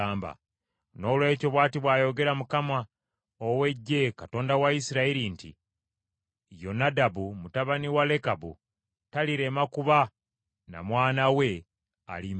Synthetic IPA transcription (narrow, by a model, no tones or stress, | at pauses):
aːmba̰ | no̞ːlwe̞ːco̞βwaːtiβwaːjo̞ɡe̞ɾamukama | owe̞ɟːe̞kato̞ːndawaisiɾaiɾintḭ | jo̞nadabumutaβaniwale̞kabṵ | taliɾe̞makuβa | na̰mwaːnawe̞ | a̰lim